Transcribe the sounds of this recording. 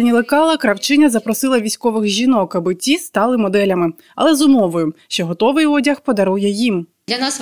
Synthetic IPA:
nʲilˠekɑlˠɐkɾɐwt͡ʃɪnʲɐzɐpɾɔsɪlˠɐʋʲisʲkɔʋɪxʒʲinɔkɐbɪtʲist̪ɑlˠɪmɔd̪ɛlʲɐmɪ | ɐ̰lˠɛzʊmɔʋɔjʊʃt͡ʃɛɦɔt̪ɔʋɪjɔdʲɐxpɔd̪ɐɾujɛjim | lʲɐnas

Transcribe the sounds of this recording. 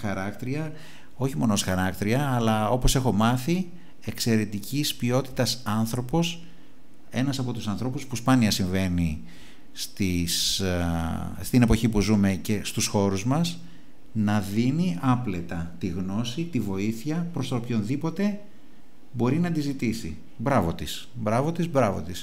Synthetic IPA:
xɐɾɐkt̪ɾiɐ | o̞çimo̞nosxɐɾɐkt̪ɾiɐːlɐo̞po̞se̞xo̞mɐθi | e̞kse̞ɾe̞t̪icispio̞t̪i̥t̪ɐsɐnθɾo̞po̞s | e̞nɐsɐpo̞t̪usɐnθɾo̞puspuspɐniɐsiɱve̞ni | st̪is | st̪ine̞po̞çipuzume̞ce̞st̪usxo̞ɾuzmɐs | nɐðiniɐple̞t̪ɐt̪iɣno̞sit̪ivo̞iθɐpɾo̞st̪ɐopço̞nðipo̞t̪e̞ | bo̞ɾinɐd̪izit̪isḭ | bɾɐvo̞t̪is | bɾɐvo̞t̪izbɾɐvo̞̰t̪is

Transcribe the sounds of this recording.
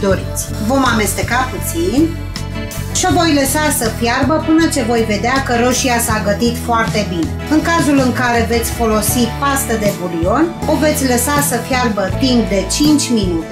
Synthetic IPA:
d̪o̞ɾit̪sʲvo̞mame̞st̪e̞kaput̪sin | ʃo̞vo̞jləsasəfjarbəpɨnət͡ʃe̞vo̞jve̞d̪eakəɾo̞ʃiasaɡət̪it̪foart̪e̞bineɨŋkazulɨŋkaɾe̞ve̞t̪sʲfo̞lo̞sipast̪əd̪e̞bulio̞no̞ve̞t̪sʲləsasəfjarbət̪imp̚d̪e̞t͡ʃint͡ʃʲminut̪e

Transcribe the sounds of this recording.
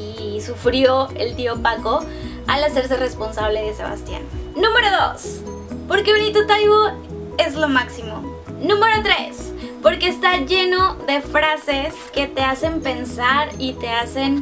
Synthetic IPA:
isufɾjo̞ḛlt̪io̞pako̞ | alase̞ɾs̬ere̞spo̞nsaβ̞leðese̞̰βa̰st̪ja̰nnũme̞ɾo̞ðo̞s | po̞ɾkeβenit̪ot̪ajβo | e̞zlo̞maksimo | nũme̞ɾo̞t̪ɾe̞s | po̞ɾkeːst̪aʝe̞no̞ðe̞fɾase̞ske̞t̪e̞ase̞mpe̞nsaɾit̪e̞ase̞n

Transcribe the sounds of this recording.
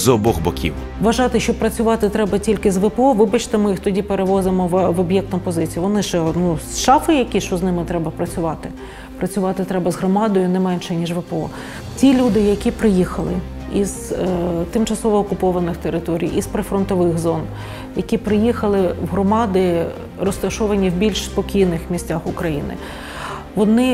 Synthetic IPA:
zɔbɔɣbɐkʲḭw | ʋɐʒɑt̪ɪʃt͡ʃɔpɾɐt͡sʲʊʋɑt̪ɪt̪ɾɛbɐtʲilʲkɪzʋɛpeɔʋɪbɐt͡ʃt̪ɪmɪjixt̪ɔdʲipeɾeʋɔzɪmɔʋʋɔbjɛk̚t̪ʊpɔzɪt͡sʲijʋɔnɪʃɛnusʃɑfɪjɐkʲiʃt͡ʃɔznɪmɪt̪ɾɛbɐpɾɐt͡sʲʊʋɑt̪ɪ | pɾɐt͡sʲʊʋɑt̪ɪt̪ɾɛbɐzɦɾɔmɑd̪ɔjʊnɛmɛnʃɛnʲiʒʋɛpeɔ̰ | tʲilʲud̪ɪjɐkʲipɾɪjixɐlˠɪ | izt̪ɪmt͡ʃɐsɔʋɔːkʊpɔʋɐnɪxt̪eɾɪt̪ɔɾʲḭjispɾefɾɔnt̪ɔʋɪxzɔn | jɐkʲipɾɪjixɐlˠɪwɦɾɔmɑd̪ɪ | rɔst̪ɐʃɔʋɐnʲiwbʲilʲʃspɔkʲijnɪxmʲisʲtʲaxʊkɾɐjḭnɪ̰ | ʋɔnɪ

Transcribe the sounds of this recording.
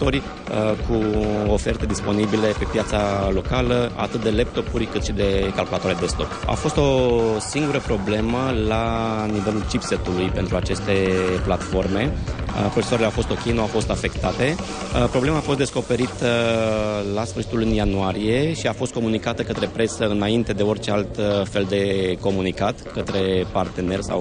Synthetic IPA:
orʲ | kʰuo̞fe̞rt̪e̞d̪ispo̞nibile̞pe̞pjat̪salo̞kaləa̰t̪ɨt̪̚d̪e̞le̞p̚t̪o̞puɾʲkɨt̪ʃid̪e̞kalkulat̪oaɾed̪e̞st̪o̞̰pa̰fo̞st̪o̞siŋɡuɾəpɾo̞ble̞məlanive̞lult͡ʃipse̞t̪ulujpe̞nt̪ɾuat͡ʃe̞st̪e̞plat̪fo̞rme̞pɾot͡ʃesoaɾeleawfo̞st̪o̞kʲejnuawfo̞st̪afe̞kt̪at̪e̞ | pɾoble̞maːfost̪d̪esko̞pe̞ɾit̪ə | lasfɨɾrʃi̥t̪ulunjanuaɾije̞ʃiafo̞st̪ko̞munikat̪əkət̪ɾe̞pɾe̞səɨnaint̪e̞d̪e̞o̞rt͡ʃe̞alt̪fe̞ld̪e̞ko̞munikat̪kət̪ɾe̞part̪e̞ne̞rsa̰w

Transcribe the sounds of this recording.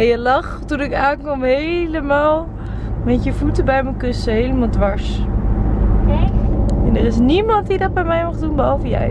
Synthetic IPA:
ɛjəlɑχtunɪkaːnkɔmɦejləmaːlˠ | mɛtjəvutəbɛjmənkʏsəɦejləmaːlˠdʋɑɹs | ɛndərɪs̬nimɑntdidɑt̚bɛjmɛjmaχdunbəɦɑlvəjəɛ̰

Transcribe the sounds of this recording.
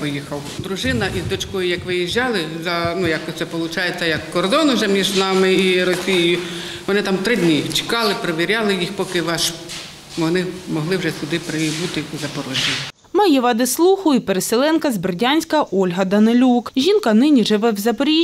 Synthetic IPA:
pɔjixɐwd̪ɾʊʒɪnɐʔizd̪ɔt͡ʃkɔjʊjɐkʋɪjiʒʲːɑlˠɪzɐnujakʲt̪sɛpɔlˠʊt͡ʃɑjet͡sʲːɐjɐkːɔrd̪ɔnʊʒɛmʲiʒnɑmɪiɾɔsʲijɪjʊ | ʋɔnɪt̪ɑmt̪ɾɪdʲnʲit͡ʃɪ̥kɑlˠɪpɾeʋʲiɾʲɑlˠɪjixpɔkɪʋɑʃ | ʋɔnɪmɔɦlˠɪwʒɛsʊd̪ɪpɾɪibut̪ɪzɐpɔɾɔʒʲi | mɐjiʋɑd̪ɪslˠuxʊipeɾeselˠɛnkɐzbrdʲanʲsʲkɐʔɔlʲɦɐd̪ɐnɪlʲukʒʲinkɐnɪnʲiʒɪʋɛwzɐpɾʲi

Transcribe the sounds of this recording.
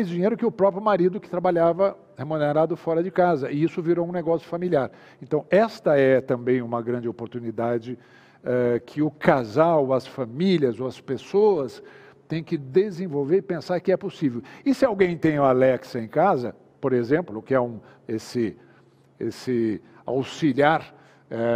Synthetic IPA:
ajzd͡ʒiɲejɾʊkɪʊpɾɔpɾjʊmaɾid̪ʊkɪ̥t̪ɾabaʎavɐ | hemũneɾad̪ʊfɔɾɐd͡ʒɪkazɐɪisʊviɾoũneɡɔsjʊfamiliaɾ | ẽnt̪ɐ̃w̃ɛst̪ɐɛt̪ɐ̃mbẽj̃ũmɐɡɾɐ̃nd͡ʒɪopoɾt̪unid̪ad͡ʒɪ | ɛkʰɪʊkazawɐsfamiljɐzowɐspesoɐs | t̪ẽj̃kɪd̪ezẽvowveɾɪpẽsaɾkɪɛposivewɪsɪawɡẽj̃t̪ẽj̃ʊalɛksɐẽj̃kazɐ | poɾezẽmplʊkɪɛũ | esɪ | esɪ | a̰wsiliaɾ | ɛ

